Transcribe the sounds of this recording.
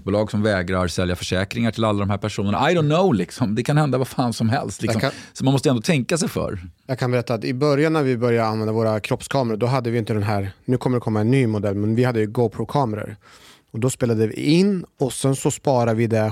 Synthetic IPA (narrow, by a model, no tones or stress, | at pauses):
buːlɑːɡsɔmvɛːɡɾaɾsɛljafœʂɛːkɾɪŋaʈʰɪlalːad̪ɔmhæːɾpʰæʂuːnəɳa̰ajd̪ɔʊnnːoʊlɪksɔmd̪ɛkʰanhɛnd̪avafaːnsɔmɦɛ̰lst̪lɪkssɔmanmɔst̪əɛnd̪ɔːt̪ʰɛŋkasɛjfœ̰ɾjɑːɡ̚kʰanbɛɾɛt̪ːat̪ɪbœɾjanːæɾvɪbœɾjaanvɛnd̪avoːɾakʰɾɔpskʰɑːməɾəɖ̪ɔɦad̪ːəvɪjɪnt̪əd̪ɛnɦæːɾnʉ̟ːkʰɔmːəɖ̪ɛkʰɔmːaɛnːyːmʊd̪ɛlːmɛnvɪhad̪ːəjɵɡoʊpʰɾokʰɑːməɾə̰ɾ | ɔd̪ɔspeːlad̪əvɪ̰ɪnːɔsɛnsɔspɑːɾavɪd̪ɛ